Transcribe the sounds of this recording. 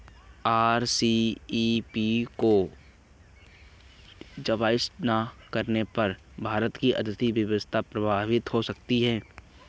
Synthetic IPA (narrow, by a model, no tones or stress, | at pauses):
aːɾsi | piko | d͡ʒəʋaːɪsnakəɾnepɐɾ | bʱaːɾət̪kiʔə̰d̪ət̪iʋjəʋəst̪ʰapɾəbʱaːʋɪt̪ɦosək̚t̪iɦɛː